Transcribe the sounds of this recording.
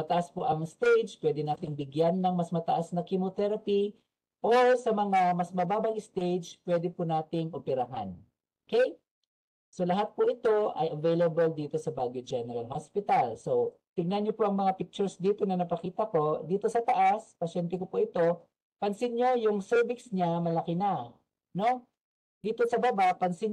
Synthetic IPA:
mɐt̪ɐʔaspoʔɐŋst̪ejd͡ʒpwɛd̪ɛnaːt̪ɪŋbɪɡjanːɐŋmɐsmɐt̪ɐʔasnɐkɪmot̪ɛɾɐpi | ʔosɐmɐŋamɐsmɐbaːbɐŋɪst̪ejd͡ʒpwɛd̪ɛpʊnaːt̪ɪŋopɛɾɐɦa̰n | ʔokej | so̞lɐɦat̪̚pʊʔɪt̪o̞ʔɐ̰jɐvejlɐbɐld̪iːt̪o̞sɐbaɡjod͡ʒɛnɛɾɐlhospɪt̪also̞ | t̪ɪɡ̚nɐnɲːopoʔɐŋmɐŋapɪk̚t͡ʃʊɹsd̪iːt̪o̞nɐnɐpɐkiːt̪ɐko̞d̪iːt̪o̞sɐt̪ɐʔaspɐʃɛnt̪ɛkopʊʔɪt̪o̞ | pɐnsɪnɲo̞jʊŋsɛɹbɪksɲamɐlɐkɪna | no̞ | d̪iːt̪o̞sɐbabaʔpɐnsɪn

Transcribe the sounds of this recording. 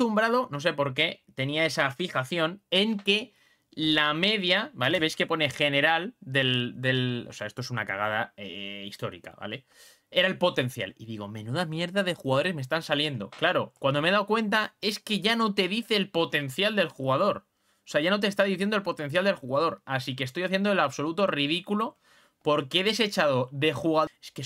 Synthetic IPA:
t̪umbɾaðo̞no̞s̬e̞po̞ɾk̬e̞t̪e̞niae̞safixaθjo̞ne̞ŋke̞ | lame̞ðjabale̞βe̞jske̞po̞ne̞xe̞ne̞ɾald̪e̞ld̪e̞lo̞̰seaest̪oes̬unaka̰ɣ̞að̞aḛist̪o̞̰ɾḭka̰βa̰le̞ | eɾaelpo̞t̪e̞n̟θja̰liðiɣ̞o̞mẽ̞nuðamje̞ɾðaðe̞xuɣaðo̞ɾe̞zmest̪ansalje̞nd̪o̞̰klaɾo̞kwand̪omeðawkwe̞nt̪ae̞ske̞ʝano̞t̪e̞ðiθe̞ːlpo̞t̪e̞n̟θjald̪e̞lxuɣaðo̞ɾ | ose̞aʝano̞t̪̬est̪aðiθjendoelpo̞t̪e̞n̟θ̬jald̪elxuɣaðo̞ɾasik̬est̪o̞jaθje̞nd̪oelaβso̞lut̪o̞rið̞ikulo̞ | po̞ɾkeeðe̞se̞t͡ʃaðo̞ðe̞xuɣaeske

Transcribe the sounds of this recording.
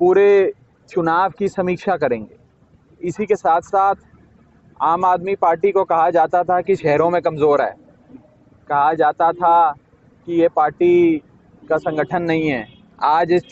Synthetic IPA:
puːɾe | t͡ʃʊnaːʋkisɐmiːkʃakɐɾẽːŋɡeː | ɪsikesaːt̪ʰsaːt̪ʰ | aːmaːd̪mipaːɾʈikokɐɦad͡ʒaːt̪at̪ʰakiʃɛɦɾõmẽkɐmzoːɾɦɛ̰ː | kɐɦad͡ʒaːt̪at̪ʰa | kijepaːɾʈi | kasɐ̃ŋɡəʈʰənːɐɦĩɦɛː | aːd͡ʒɪs

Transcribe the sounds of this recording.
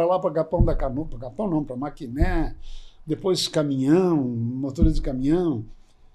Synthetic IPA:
ɾɐlapɾɐkapɐ̃w̃d̪ɐkanupɾɐkapɐ̃w̃nɐ̃w̃pɾɐmakinɛ | d̪epojskamĩɲɐ̃w̃mot̪oɾɪzd͡ʒɪkamĩɲɐ̃w̃

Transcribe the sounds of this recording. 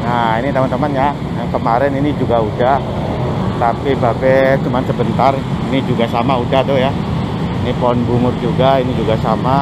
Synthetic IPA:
ŋainit̪əmant̪əmanja | kəmaɾɛninid͡ʒuɡauda | t̪apibabɛt͡ʃumansəbənt̪arinid͡ʒuɡasamaudat̪ʊhja | inipɔnbuŋʊrd͡ʒuɡainid͡ʒuɡasama

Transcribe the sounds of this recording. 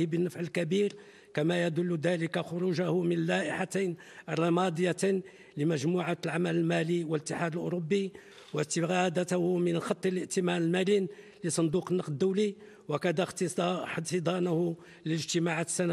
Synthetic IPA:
bənːəfʕəlkæbiɾ | kæmæjæd̪ʊlːd̪æləkaxʊɾuʒahʊmənəlːæʔəħat̪ajn | ərˤːɑmɑd̪ˤəjːa | ləmæʒmuʕalʕamæləlmæliwələt̪ːəħad̪əlʔʊ̰ɾobːi | wəst̪əɣæd̪at̪hʊmənxɑt̪ˤːləʔt̪əmænəlmælin | ləsˤɑnd̪uqənːɑqd̪̚d̪ːuwli | wækæd̪æxt̪t̪əd̪ˤɑnʊhʊ | ləʒt̪əmaʕat̪sːæn

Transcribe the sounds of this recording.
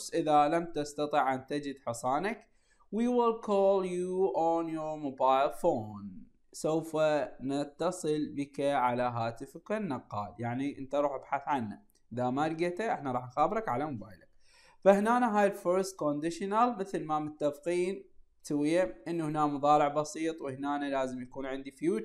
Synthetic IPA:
sʔɪðalamt̪ast̪ɑt̪ˤiʕʔant̪ad͡ʒɪd̪ħɨsˤɑːnak | wiwɪlkʰoːljuʔonjʊɾmobaːjlfoːn | sowfanat̪ːɑsˤɨlbəkaʕalaɦaːt̪ɪfkanːɑqːɑ̰ːljaʕniʔɪnt̪aɾˤuːħʔabħaθʕanːa | ʔʔɪðamaɾɡat̪aʔɪħnaɾˤɑːħnxaːbɾˤɑkʕalamʊbaːjlak̚ | fahnaːnaɦaːjɪlfoɾst̪̚kond̪ɪʃnalmɪθlmamʊt̪ːafqiːn | swɪjaʔɪnːuhnaːmɑðˤɑːɾɪʕbɑsiːt̪ˤwɪhnaːnalaːzɪmjakuːnʕɪnd̪ifjuːt͡ʃ

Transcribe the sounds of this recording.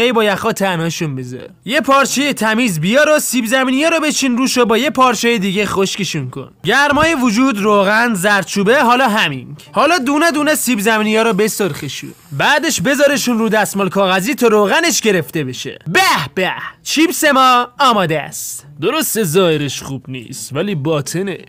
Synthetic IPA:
ejbɒːjæxɒːt̪ʰænhɒːʃunbezɒ̰ɾjepʰɒːɾt͡ʃʰejet̪ʰæmiːzbijɒːɾosiːbzæmiːnijɒːɾɔːbe̞t͡ʃʰinɾuːʃobɒːjepʰɒːɾt͡ʃʰɛjed̪iːɡexoʃkeʃunkʰo̞̰nɟæɾmɒːjevud͡ʒuːd̪roːɣænzæɾt͡ʃʰuːbeɦɒːlɒːɦæminhɒːlɒːd̪uːned̪uːnesiːbzæmiːnijɒːɾɔbesoɾxeʃṵnbæːd̪eʃbe̞zɒːɾeʃunɾuːd̪æsmolkʰɒːɣæziːt̪ʰɒɾoːɣæneʃɟe̞ɾeft̪e̞be̞ʃḛbæhb̥æht͡ʃʰiːbse̞mɒːmɒːd̪eæ̰st̪ | d̪o̞ɾo̞st̪e̞zɒːjeɾeʃχuːbnḭːst̪væliːbɒːt̪ʰenḛ

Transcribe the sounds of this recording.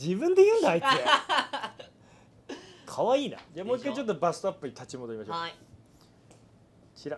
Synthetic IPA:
d͡ʑibɯ̃nd̪e̞jɯ̟ːnd̪aitːe | kʰaβaiːna̰d͡ʑamoːikːait͡ɕo̞t̪̬ːobasapːɯ̟ɲ̟it̪ʰat͡ɕimod̪oɾimaɕoː | kʰʲiɾa

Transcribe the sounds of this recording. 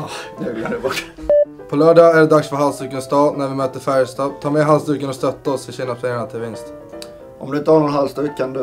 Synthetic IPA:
ɡʉːɡlanɛbɔʈː | pʰɔlœːɖɑæɖɛd̪aksfœɾɦalsd̪ʉ̟ːkənst̪ʰɑːnæɾvɪmøːt̪əɾfæɾjəst̪ɑːɡt̪ʰɑːmɛːɦalsd̪ʉ̟ːkənɔst̪œt̪ːaɔsɪɕiːnafʰɾɛjaɳat̪ʰɪlvɪnst̪ | ʔɔ̰md̪ɵɪnt̪əhaɳɔnɦalst̪ʉːɡkʰand̪ɵ

